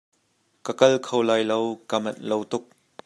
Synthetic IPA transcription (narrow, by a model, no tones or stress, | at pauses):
kɐkɐlkʰowlaːjlowkamɐnlowt̪ʊk̚